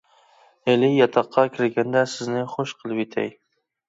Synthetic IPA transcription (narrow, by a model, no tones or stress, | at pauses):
elɪjɑt̪ʰɑqʰːɑkʲʰɪɾɡʲɛnd̪ɛsɪznɪχoʃqʰəlˠɨpet̪ʰɛ̰j